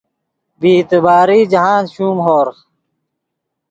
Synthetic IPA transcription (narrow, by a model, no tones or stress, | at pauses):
biːt̪ebaːɾiːd͡ʑɐɦaːnɕuːmɦoːɾx